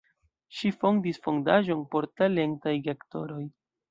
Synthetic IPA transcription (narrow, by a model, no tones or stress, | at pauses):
ʃifo̞ndisfo̞ndaʒo̞npo̞ɾtale̞ntajɡekto̞ɾo̞j